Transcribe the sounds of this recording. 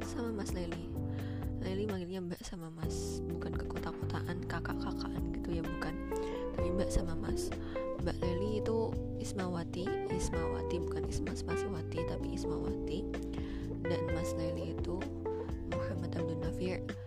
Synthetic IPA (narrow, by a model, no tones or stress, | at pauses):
samamaslali | lalimaɡilɲabaʔsamamas | bukankə̥kot̪akot̪a̰ʔankakaʔkakaʔanɡit̪ujabukan | t̪apibaʔsamamas | baʔləliːt̪u | ismawat̪iismawa̰t̪ibukanismasmaswat̪it̪apiːsmawat̪i | danmaslaliːt̪u | muhamad̪ab̚dunːafir